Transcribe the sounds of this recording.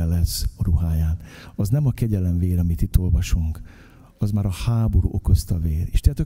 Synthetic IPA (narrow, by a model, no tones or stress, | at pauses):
ɛlɛsɒɾuɦaːjaːnɒznɛmɒkɛɟɛlɛɱveːɾɒmit̪it̪ːo̞lvɒʃuŋk | ɒzmaːɾɒhaːbo̞ɾṵʔoko̞st̪ɒveːɾḛʃt̪ɛat̪o